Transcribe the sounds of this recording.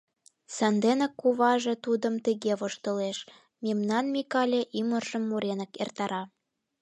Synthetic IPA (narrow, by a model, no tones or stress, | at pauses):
sɑnd̪enə̆kːuβɑʒĕt̪ud̪əmt̪əɣeβoʃt̪ə̆leʃ | memnɑnmʲikɑlʲeʔimərʒə̆mːuɾenə̆kḛrt̪ɑɾɑ